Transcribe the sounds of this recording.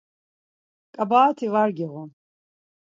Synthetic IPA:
kʼabaːt̪ʰivaɾɡiʁɔ

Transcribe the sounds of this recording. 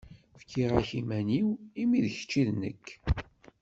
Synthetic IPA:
fkʰːiʁæçimæniwimiðçə̥t͡ʃːiðnə̰kː

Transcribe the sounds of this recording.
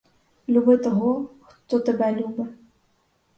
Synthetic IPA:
lʲubɨt̪ɔɣɔxt̪ɔt̪ɨbalʲubɨ

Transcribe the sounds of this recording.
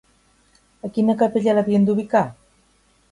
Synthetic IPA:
əkinəkapeʎalaβiend̪uβika

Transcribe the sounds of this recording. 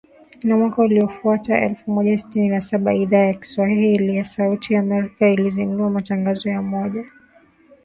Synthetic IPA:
inamwakauliɔfuataʔɛ̰lfumɔʄasi̥tininasaɓaiðaːjaki̥swahilijasautʰijaːmɛɾikailizinduamataŋɡazɔjamɔʄa

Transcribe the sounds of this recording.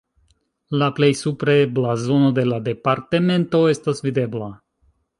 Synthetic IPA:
laple̞jsupɾeblazo̞no̞d̪e̞lad̪e̞paɾt̪e̞me̞nt̪o̞e̞stasvid̪e̞bla

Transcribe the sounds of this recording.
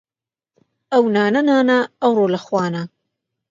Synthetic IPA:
ɐwnaːnɐnaːnaːwɾoːlɐxwɑːna

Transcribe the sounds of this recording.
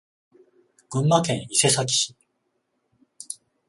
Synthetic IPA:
ɡ̥ɯ̟̃mːakẽ̞ɰ̃ise̞sakʲi̥ɕi̥

